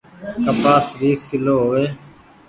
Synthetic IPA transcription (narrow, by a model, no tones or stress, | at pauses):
kəbaːsɾiːskɪloːɦoːeː